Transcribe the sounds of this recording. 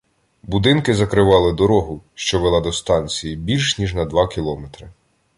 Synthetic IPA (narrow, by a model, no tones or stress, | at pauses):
bud̪ɪnkɪzɐkɾɪʋɑlˠɪd̪ɔɾɔɦʊʃt͡ʃɔʋelˠɑd̪ɔst̪ɑnʲt͡sʲijibʲilʲʃnʲiʒnɐd̪ʋɑkʲilˠɔmet̪ɾɪ